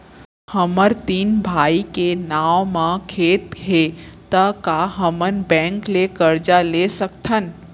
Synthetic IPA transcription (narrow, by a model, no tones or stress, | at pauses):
həməɾt̪iːnbʱaːikenaːʋmãkʰeːt̪ɦet̪əkaɦəmənbɛ̃ŋklekəɾd͡ʒalesəkt̪ʰən